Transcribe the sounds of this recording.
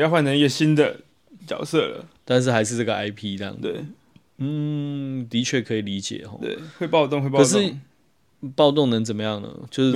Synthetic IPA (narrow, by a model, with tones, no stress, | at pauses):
jɑ˥˧ʊwa˥˨nʈ͡ʂʰŋi˥ɡə˩ɕi˦nd̪ə˨ | t͡ɕjɑ̰˨ʊsə˥˨lə̰˩t̪a˥˧nʂ̬̩˥˩xa˧˥ɪʂ̬ɻ̩˥˧a˥˩ɡə˩a˥ɪpʰi˦˥˧ljɑ̰˥˩ŋḛ˥˩ | n̩˥˩t̪i˨˥t͡ɕʰɥɛ˥˩kʰɤ˧˦i˨˩li˨˦t͡ɕjɛ̰˨˩xɔ̰˧˦t̪wḛ˥˩ɪxwe˥˧ɪpɑ˥˧ʊt̪̬o˥˧ŋxwe˥˧pɑkːə˨˩˧ʂ̬ɻ̩˥˨ | pɑ˥˧ʊt̪o˥˨ŋnə˧˦ŋt͡sə˨˩mə˦jɑ˥˩ŋnə̰˩t͡ɕjo˥˧ʊʂ̩˥˩